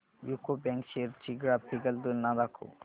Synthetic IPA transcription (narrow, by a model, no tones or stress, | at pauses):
jukobɛ̃ŋkʃeɾt͡ʃiɡɾapʰiɡəld̪ulnad̪akʰo̰